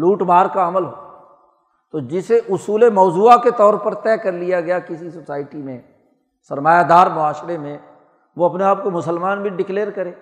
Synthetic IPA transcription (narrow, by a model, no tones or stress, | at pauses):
luːʈbaːɾkaɐməlɦoː | t̪od͡ʒɪseʔʊsuːlemɔːzuːaket̪ɔːɾpɐɾt̪ɛːkɐɾlijaɡɐjakɪsisʊsaːɪʈimẽ | sɐɾmaːjad̪aːɾmʊaːʃɾemẽ | ʋoɐpneaːp̚komʊsəlmaːnbʱĩɖɪkleːɾkɐɾẽː